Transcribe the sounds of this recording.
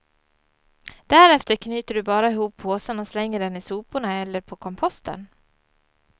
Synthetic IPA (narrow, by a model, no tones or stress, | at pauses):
d̪̥æɾɛft̪əɾkʰnyːt̪əɖɵbɑːɾaɪɦuːpʰːoːsananslɛŋːəɖɛnɪsuːpʊɳaɛlːəɾpʰɔkʰɔmpʰɔst̪ʰə̰n